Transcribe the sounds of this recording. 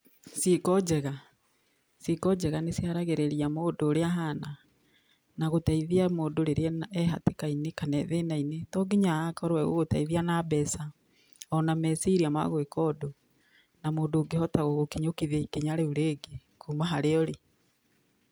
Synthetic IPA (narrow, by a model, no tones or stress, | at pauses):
sikɔd͡ʒɛɣa | sikɔd͡ʒɛɣanesiaɾaɣeɾeɾiamoːdoːɾeaɦana | naɣotaiðiamoːdoɾeɾeɛnɛɦa̰tekainekanɛðenainetɔɡiɲaakɔɾwɛɣo̰ɣota̰iðianabɛsa | ɔnamɛsiɾiama̰ɣoekɔdo | namoːndoːɡehɔtaɣoɣokeɲokiðeikeɲaɾeuɾeːɡekumaɦaɾeɔɾe